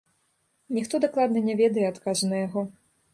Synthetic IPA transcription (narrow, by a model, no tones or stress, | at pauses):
nʲixt̪ɔd̪aklˠad̪nɐnʲɛvʲɛd̪ɐjɛat̪kaʐnɐjaɣɔ